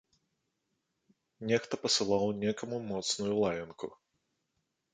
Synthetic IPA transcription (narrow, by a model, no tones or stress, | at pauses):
nʲɛxt̪ɐpɐsɨlˠawnʲɛkɐmumɔt̪snujulˠajʲɐnku